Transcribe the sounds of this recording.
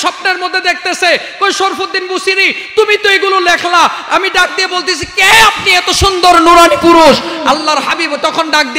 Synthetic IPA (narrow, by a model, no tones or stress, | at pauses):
ʃɔb̚neɾmod̪ʱːed̪ek̚ʰt̪esʰekojʃoɾfod̪ːinbusiɾit̪umit̪ojɡulolekʰlaamiɖak̚d̪ijebolt̪esʰikeapniɛt̪oʃund̪oɾnuɾanipuɾuʃalːaɾɦabibt̪ɔkʰonɖak̚d̪i